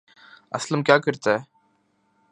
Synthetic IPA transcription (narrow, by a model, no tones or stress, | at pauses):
ɐslɐmkʲjaːkːɯɾt̪ːɛː